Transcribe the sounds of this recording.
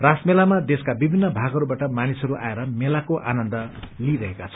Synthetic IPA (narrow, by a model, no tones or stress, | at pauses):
rasmelamad̪eskabibʱinːʌbʱaɡʌɾubaʈʌmanisʌɾuʔa̰eɾʌmelakoʔa̰nʌnd̪ʌliɾʌɦekat͡sʰʌ̥